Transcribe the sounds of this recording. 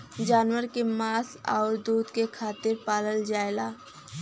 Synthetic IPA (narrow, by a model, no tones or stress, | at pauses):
d͡ʒaːnwəɾkemaːsa̰ːɾd̪uːd̪kekʰaːt̪ɪɾpaːləld͡ʒaːelaː